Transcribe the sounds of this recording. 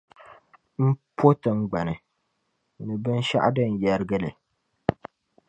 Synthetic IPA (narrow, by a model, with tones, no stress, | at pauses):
m̩˦pʰo˦tɨ˨ŋ̩˦ɡ͡ba˨nɨ˨ | nɨ˨bɨ˦n˦ʃa̰˦ʔdɨ˦˨n˨jɛ˨ɾɨ˦ɡɨ˦lɨ̰˨